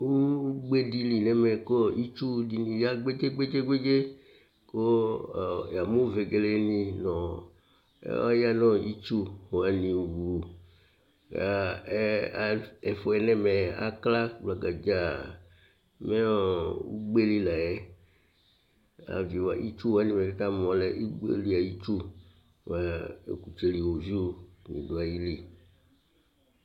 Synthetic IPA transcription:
wu˦ɡ͡be˦di˦li˨nɛ˦me˨ko˦i˦t͡ʃu˦di˦nĩ˨ja˦ɡ͡be˦d͡ʒe˦ɡ͡be˦d͡ʒe˦ɡ͡be˦d͡ʒe˦ | ko˦˨ | ja˨mũ˦ve˨ɡe˨le˦nĩ˦nɔ̃˨˦ | a̰˦ja˦nɔ̃˦i˦t͡ʃu˦ho˨a˨nĩ˨wu˨ | a˨˦ | ɛ˨fɔ˦ɛ˦nɛ̃˦mɛ˨a̰˨kla˦ɡ͡bla˨ɡa˨d͡ʒa˦˨ | me˦˨wṵ˦ɡ͡be˦li˦la˨e˦ | a̰˨vi˨wa˨ʔi˦t͡ʃu˦wa˦nĩ˨mɛ˨ka˦t̪a˦mɔ̃˨le˦ʔi˦ɡ͡bḛ˦li˦a˨ji˦t͡ʃṵ˦˨ | a˨ḛ˨ku˨t͡ʃe˦li˨wo˨zu˦ɲḭ̃˨do˨a˨ji˦li˦

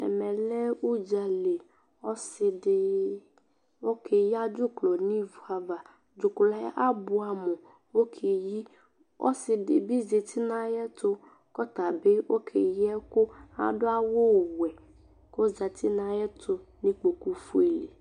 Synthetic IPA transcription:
ɛ̰˨mɛ̃˨lɛ˦wu˦d͡ʒa˨le˨ | ɔ˦sɪ˨dɪ˨ | o˦kʰe˨ja˦d͡ʒʊ˦klɔ˨nĩ˦vu˨a˨va˨ | d͡ʒʊ˨kʊ˨la˦ja̰˦ʔa˦bʊ˦a˨mɔ˨ | wo˦kʰe˨ji˦ | ɔ̰˦sɪ˨dɪ̰˨bi˦ze˨t̪ʰi˦nã˨jɛ˦tʊ˦ | kɔ˦t̪a˨be˦wo˦kʰḛ˨jɛ˦kʊ˦a̰˨dʊ˦a˦wo˦˨wɛ˨ | ko˦za˨t̪ɪ˦nã˨jɛ˦tʊ˦nĩ˦k͡po˨ku˨fu˦e˨lḛ˨

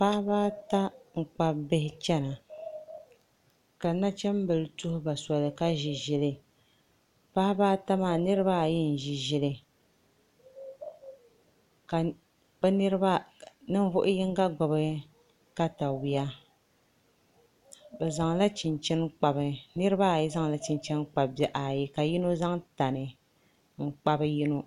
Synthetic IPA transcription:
pa˦hbaː˦ta˦ŋ̩˨k͡pa˦bɛ˦hɪ˦t͡ʃɛ˦na˨ | ka˨na˦t͡ʃɛ˦m˦bɨ˨lɨ˨tʊ˦hʊ˦ba˨sɔ˨lɨ˨ka˦ʒi˨ʒɛ˨lɨ˦ | pa˦hbaː˦ta˦maː˨nɨ˦ɾɨ˦ba˦˨jɛ˦n̩˨ʒi˨ʒɪ˨lɨ˦ | ka˨ | bɛ˦nɨ˦ɾɨ˦ba˦nɨ˦ɱ˦vʊ˦ʔʊ˦jɪ˦ŋ˦ɡa˦ɡɔ˨bɨ˦ | ka˦ta˨wi˨ja˦ | bɛ˨za˨ŋla˦t͡ʃɪ˨nt͡ʃɛ˦nk͡pa˨bɨ˨nɨ˦ɾɨ˦ba˦˨jɛ˦za˦ŋla˦t͡ʃi˨nt͡ʃɛ˦nk͡pa˨bbɛ˨ʔa˨ji˦ka˨ji˦no˦za˦ŋta˨nɨ˨ | ŋ̩˦k͡pa˦bɨ˦ji˦no˦

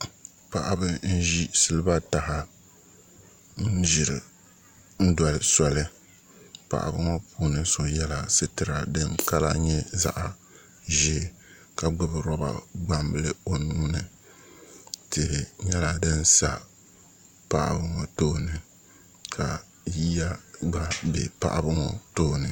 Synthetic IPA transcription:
pa˨ʔa˦bɨ˦n̩˦ʒi˦sɨ˦lɨ˦ba˦ta˨ha˨ | n̩˦ʒi˨ɾɨ˨ | n̩˦dɔ˨lɨ˨sɔ˨lɨ˦ | pa̰˨ʔa̰˨bɨ˦ŋɔ˦puː˨nɨ˦so˨jɛ˦la˨sɨ˦tɨ˨ɾa˨dɨ˦ŋka˦la̰˦ɲɛ˦za̰˦ʔa˨ | ʒɛ˦˨ | ka˨ɡ͡bɨ˦bɨ˨ɾɔ˦ba̰˨ɡ͡ba˦mbɨ˦lɨ˦o˦nuː˦nɨ˨ | tɨ˨ɲɛ˦la˨dɨ˦n̩˦sa˨ | pa˦ʔa̰˨bɨ˦ŋɔ˨toː˦˨nɨ˨ | kʰa˨ | ji˦a˦ba˦bɛ̰˨pa̰˦˨ʔa˦bɨ˦ŋɔ̰˨to˦˨nɨ˨

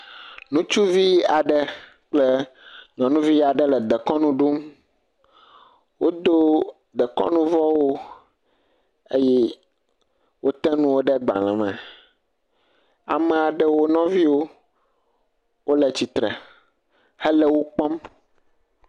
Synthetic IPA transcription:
nũ˦t͡ʃu˦vi˦a˨ɖɛ˦ | k͡ple˦ɲɔ̃˨nũ˦vi˦a˨ɖɛ˦lɛ˨d̪ɛ˨kɔ˦nũ˦ɖu˦m | wo˦d̪o˦ | d̪ɛ˨kɔ̰̃˦nũ˦vɔ˦wo˦ | e˦jɛ˦ | wo˦t̪ɛ̃˦nũ˦wo˦ɖɛ˦ɡ͡ba̰˨l̃ɛ̃˨mɛ̃˨ | a˨mɛ̃˨a˨ɖɛ˦wo˦nɔ̃˦vi˦wo˦ | wʔo˦lɛ˨t͡ɕi˨t̪ɾɛ̰˨ | hɛ˦lɛ˦wo˦k͡pɔ̃˦m

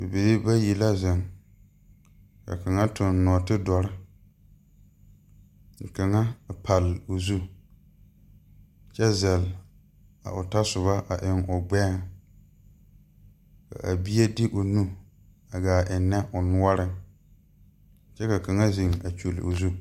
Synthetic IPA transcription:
be˨be˨ɾi˦ba˦ji˨la˦zɛ˨ŋ | ka̰˨ka˨ŋa˦tʊ˨n˦nːɔ˨tɪ˦dɔ˨ɾɪ˦ | ŋ̩˨ka˨ŋa˦˨pʰa˨lɪ˨ʊ˨zu˦ | t͡ʃɛ˦zɛ˨l | a̰˨ʊ˨ta˦sʊ˨βa˦ʔa˨ʔɪ˨ŋʊ˨ɡ͡bɛ˦ŋ | ka̰˨ʔa̰˨bi˦ɛ˦dɪ˦ʔʊ˨nu˦ | a˨ɡaː˨ʔɪ˨nːɛ˦ʔʊ˨nʊ˦ɔ˦ɾɪ˦ŋ | t͡ʃɛ˦ka˨ka˨ŋa˦zi˨ŋa˨t͡ʃo˨lɪ̰˨ʊ̰˨zu˦

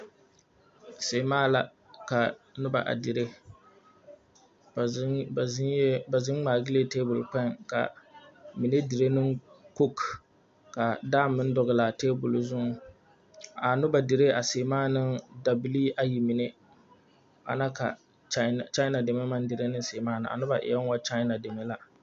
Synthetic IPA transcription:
seː˨maː˦la˨ | ka˨nʊ˦ba̰˨ʔa̰˨di˨ɾe˦˨˦ | ba˨zɪ˦n˦ŋ͡maː˨ɡɪ˦le˦teː˦bʊ˨lk͡pa˦nka̰˨mi˨ne˦dɪ˨ɾe˦nɨ˦ŋ | ko˦k | ka˨daː˦mɨ˦n˦dɔ˨ɣɨ˨la˨teː˦bʊ˨lzʊ˦ŋ | a˨nʊ˦ba˨dɪ˨ɾe˦a˨seː˨maː˦nɨ˦nda˨bi˨li˦ʔa˦ji˨mi˨ne˦ | a̰˨na˦ka̰˨ | t͡ʃa˦˨t͡ʃa˦na˨de˨me˦ma˦n˦dɨ˨ɾe˦nɨ˦n˦se˨maː˦nɨ̰˨a̰˨nʊ˦ba˨ʔɪ̰˨ja˦n˦wa˦t͡ʃa˦na˨de˨me˦la˦

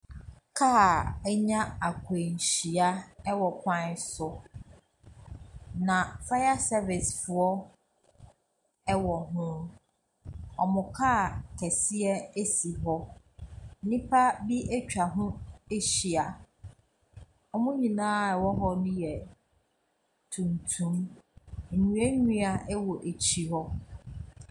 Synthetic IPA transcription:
kʰa˦˨ɛ˦ɲã˦a˨kʷʰe˨ɲ̩˨ɕi˨a˦ɛ˦wɔ˨kʰã˦n˦sʊ˨ | nã˨fa˦ja˦sɛ˦vɪ˨sfʊ˨ɔ˦ | ɛ˦wɔ˨ɦʊ̃˦ | ɔ˨mʊ̃˨kʰaː˦˨kʰɛ˨si˦ɛ˦e˦si˨ɦɔ˦ | n̩˨nĩ˦pʰa˦bi˦ʔe˦t͡ɕᶣa˨ɦʊ̃˦e˦ɕi˨a˨ | ɔ˦mʊ̃˦ɲĩ˨nãː˦˨ɛ˨wɔ˦ɦɔ˦nʊ̃˦jɛ˨ | tʰũ˨ntʰũ˨˦m̩˨ | ɲũ˨˦e˦ɲᶣũ˦a˨ʔɛ˦wɔ˨ʔe˨t͡ɕʰi˨hɔ˦

